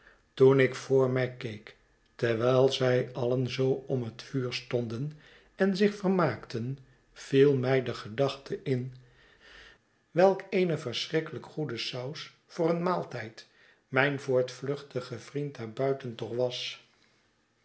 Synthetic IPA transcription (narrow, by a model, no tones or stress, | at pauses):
tunɪkfʊːɹmɛjkejk | tɛɹʋɛjlˠzɛjɑlənzowɔmɦətfyːɹstɔndən | ɛnzɪχfəɹmaːktən | v̥ilˠmɛjdəχədɑχtʰəʔɪn | ʋɛlˠkejnəvəɹsrɪkələkχudəsʌws | fʊːrənmaːlˠtɛjt | mɛjnvʊːɹtflɵχtəχəv̥rintnaːɹbœɥtəntɔχʋɑs